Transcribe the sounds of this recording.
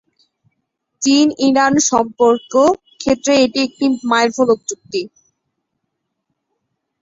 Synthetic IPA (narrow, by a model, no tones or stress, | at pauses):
t͡ɕiniɾanʃɔmpoɾko | kʰet̪ːɾeeʈiek̚ʈimajɾfʰolok̚d͡ʑuk̚t̪i